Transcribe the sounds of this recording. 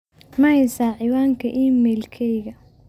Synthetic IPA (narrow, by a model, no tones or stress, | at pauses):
mɐhɛjsaːʕɪwaːŋkʰɐʔiːmɛːlkʰɛjɣɐ